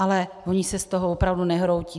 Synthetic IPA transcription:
alɛvoɲɪsɛst̪oɦovopɾavdunɛɦɾowci

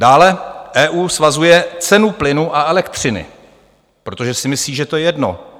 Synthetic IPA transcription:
daːlɛʔɛːʔuːsvazujɛt͡sɛnuplɪnuʔaʔɛlɛkt̪r̝̥ɪnɪ̰ | pɾo̞t̪oʒɛsɪmɪsliːʒɛt̪o̞jɛjɛdno̞̰

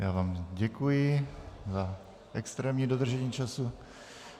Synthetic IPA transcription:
jaːvaːmɟɛkujɪza | ʔɛkst̪ɾɛːmɲidod̪r̩ʒɛɲiːt͡ʃasu

